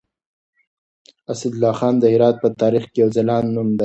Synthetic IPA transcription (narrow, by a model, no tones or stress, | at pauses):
asad̪lɑxɑnd̪əhɪɾɑt̪̚pət̪ɑːɾixkejawzalɑnːumd̪a